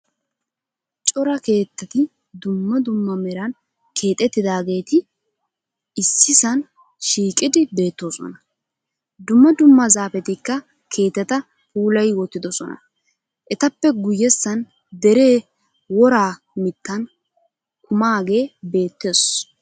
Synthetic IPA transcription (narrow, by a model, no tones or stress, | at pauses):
t͡ʃʼɔɾɐke̞ːt̪ːɐt̪ɪ | d̪ʊmːɐd̪ʊmːɐmɛɾɐn | kʰe̞ːt̪ʼːɛt̪ːɪd̪aːɡe̞ːt̪ɪ | ɪsːɪsɐn | ʃiːkʼɪd̪ɪbe̞ːt̪ːo̞ːsɔ̰nɐ | d̪ʊmːɐd̪ʊmːɐzaːfɛt̪ɪkːɐ | kʰe̞ːt̪ːɛt̪ɐ | puːlɐjwɔt̪ːɪd̪ɔsɔnɐ̰ | ʔɛt̪ɐpːɛɡʊjːɛsːɐn | d̪ɛɾe̞ː | wɔɾaː | mɪt̪ːɐn | kʊmaːɡe̞ːbe̞ːt̪ːes